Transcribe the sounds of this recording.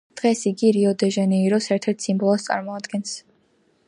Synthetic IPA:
d̪̥ʁɛsiɡiɾiɔd̪ɛʒɛnɛiɾɔsɛɾt̪ʰɛɾt̪ʰsimbɔlˠɔst̪sʼa̰ɾmɔad̪ɡɛns

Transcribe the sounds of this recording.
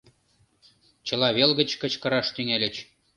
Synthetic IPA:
t͡ɕɤ̆lˠɑβelɣə̆t͡ɕkə̆t͡ɕkɤ̆ɾɑʃt̪yŋælʲɘ̆t͡ɕ

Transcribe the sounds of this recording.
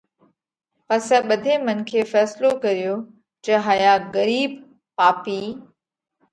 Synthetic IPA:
pɐsɛ̃ːɓɐd̪ʱemɐnkʰeːfɛːslokɐɾijoː | d͡ʒɐɦaːjaɣɐɾiːb | paːpiː

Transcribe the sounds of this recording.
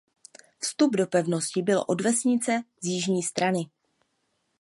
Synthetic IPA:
fst̪ubdo̞pɛvno̞scɪbɪlʔo̞dvɛsɲɪt͡sɛzjɪʒɲiːst̪ɾanɪ

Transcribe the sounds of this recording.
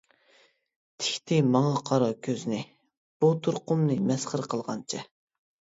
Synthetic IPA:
t̪ʰɪ̥kʲt̪ʰɪmɑŋɑqʰɑɾɑkʲʰøznɪ | b̥ut̪ʰuɾqʊmnɨmɛsχəɾqʰəlˠʁɑ̰nt͡ʃʰɛ

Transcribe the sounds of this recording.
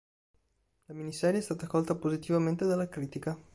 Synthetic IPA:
ləminisɛɾiest̪at̪akɔlˠt̪əpozit̪ivɐmẽnt̪eðəlakɾit̪ikə

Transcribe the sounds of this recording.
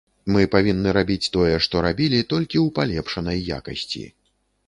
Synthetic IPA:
mɨpavʲinːɨɾabʲit͡sʲt̪ɔjɛʂt̪ɔɾabʲilʲit̪ɔlʲkʲiwpalʲɛpʂɐnɐjːa̰kɐ̰sʲt͡sʲḭ

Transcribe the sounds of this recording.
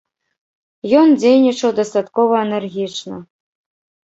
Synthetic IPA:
jɔnd͡zʲejnʲit͡ʂɐwd̪ɐst̪at̪kɔvɐɛnɛrɣʲit͡ʂnɐ̰

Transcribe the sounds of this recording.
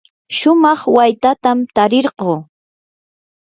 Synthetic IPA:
ʃʊmɑχwajt̪at̪amt̪aɾɪɾɢoː

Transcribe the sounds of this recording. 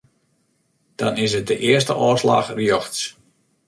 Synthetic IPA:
d̥ɑ̰nɪs̬ət̚dəʔɪəs̬təʔɔːsla̰xrjoxs

